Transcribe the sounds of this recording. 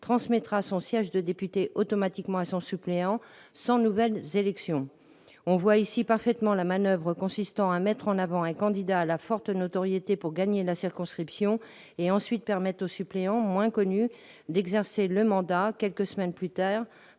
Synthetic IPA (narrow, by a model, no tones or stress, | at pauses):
t̪χɑ̃smɛt̪χasɔ̃sjɛʒd̪əd̪epyt̪eʔot̪ɔmat̪ikmɑ̃asɔ̃sypleɑ̃sɑ̃nuvɛlzelɛksjɔ̃ | ɔ̃vwaisipaʁfɛt̪mɑ̃lamanœvʁəkɔ̃sist̪ɑ̃amɛt̪χɑ̃navɑ̃ɛ̃kɑ̃d̪id̪aːlafɔʁt̪not̪ɔʁjet̪epuʁɡaɲelasiʁkɔ̃skχipsjɔ̃ | eɑ̃sɥit̪̚pɛʁmɛt̪osypleɑ̃mwɛ̃kɔny | d̪ɛɡzɛʁseləmɑ̃d̪akʲɛlkəsəmɛnplyt̪aːʁ